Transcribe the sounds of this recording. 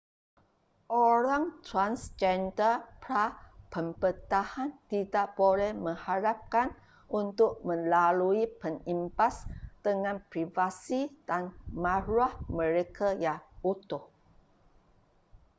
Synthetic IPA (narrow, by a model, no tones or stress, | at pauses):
ʔoɾaŋt̪ɾansd͡ʒɛndəpɾapəmbət̪ahant̪idaʔb̥olɛhmə̃ŋhaɾap̚kan | unt̪ʊk̚mə̃laluipənimpasd̪̥əŋãnpɾivasid̥anmãɾuahmə̃ɾekʰajaŋut̪ʊh